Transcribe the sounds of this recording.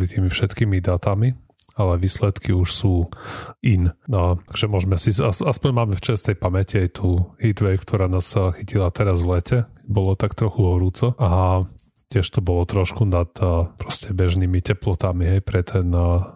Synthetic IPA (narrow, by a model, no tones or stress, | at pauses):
lit̪iːmifʃɛt̪kiːmid̪at̪ami | alɛʋiːslɛt̪kiuʃsuːint̪aɡ̥ʒ̥ɛmʊɔʒɛmɛsiasaspɔɲmaːmɛft͡ʃɛst̪ɛjpamɛciajt̪ʰuːhid̪ʋɛkt̪ʰɔɾaːnaːsxicilat̪ɛɾazʋlɛcʰɛbɔlɔt̪akt̪ɾɔxuɦɔɾuːt͡sɔʔa | cɪɛʃt̪ɔbɔlɔt̪ɾɔʃkunat̪ːpɾɔscɛbɛʒniːmicɛplɔt̪amiɦɛjpɾɛt̪ʰɛn